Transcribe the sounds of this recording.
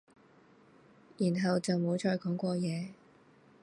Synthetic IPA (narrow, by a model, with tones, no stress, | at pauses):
jiː˨˩nɦɐ˨wt͡sɐ˨wmo˨˧wt͡ʃʰɔː˧jkɔː˨˥ŋkʷɔː˧jɛː˨˧